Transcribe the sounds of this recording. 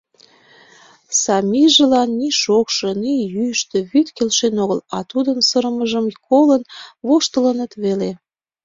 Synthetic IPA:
sɑmʲiʒə̆lɑnːiʃokʃɤ̆nijyjʃt̪ĕβyt̪kelʃenoɣəlɑt̪ud̪ənsəɾəməʒəmkolənβoʃt̪ələnət̪βele

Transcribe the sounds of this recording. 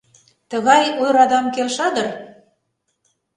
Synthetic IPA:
t̪əɣɑjojɾɑd̪ɑmkelʃɑd̪ər

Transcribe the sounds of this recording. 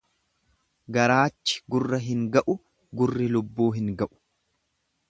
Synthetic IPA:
ɡɐɾaːt͡ʃːɪ̥ɡʊrːɐɦɪŋɡɐʔʊ | ɡʊrːɪlʊbːuːɦɪŋɡɐʔʊ̥

